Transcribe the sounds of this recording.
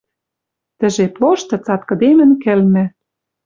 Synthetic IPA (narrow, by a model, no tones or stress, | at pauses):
t̪ɘ̆ʒeploʃt̪ɤ̆t͡sɑt̪̚kɤ̆d̪emɘ̆nkɘ̆lmɘ̆